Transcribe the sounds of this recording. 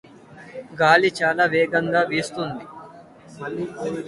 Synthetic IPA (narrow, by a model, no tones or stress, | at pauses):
ɡaːlit͡ʃaːlaːʋeːɡɐŋɡaːʋiːst̪und̪i